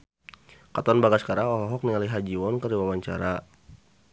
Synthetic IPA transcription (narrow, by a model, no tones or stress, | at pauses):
kat̪aɔnbaɡaskaɾaɔɦɔɦɔk̚niŋaliɦad͡ʒiwɔnkəɾiwawaɲt͡ʃa̰ɾa